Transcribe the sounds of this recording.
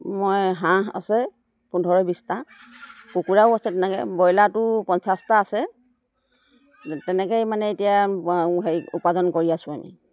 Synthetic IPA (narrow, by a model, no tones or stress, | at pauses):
mojɦãa̰sɛ | pundʱɔɹɔbista | kukuɹaʊasɛtɛnɛkɛ̰bɔjlatʊpɔnsastaːsɛ | tɛnɛkɛjmanɛetijaɦejṵpazɔnkoɹiasʊ̃amḭ